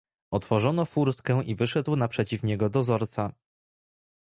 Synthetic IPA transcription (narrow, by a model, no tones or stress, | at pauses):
ɔt̪fɔʐɔnɔfuɾst̪kɛ̃w̃ʔivɘʂɛd̪wnapʂɛt͡ɕifɲɛɡɔd̪ɔzɔɾt̪sa